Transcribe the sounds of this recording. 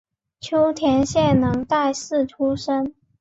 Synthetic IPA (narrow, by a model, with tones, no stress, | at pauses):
t͡ɕʰjo˥ʊt̪ʰjɛ˧˥nɕjɛ˥˩nnɤ˧˥ŋt̪a˥˧ɪsɹ̩˥˩ʈ͡ʂʰu˥ʂə˥n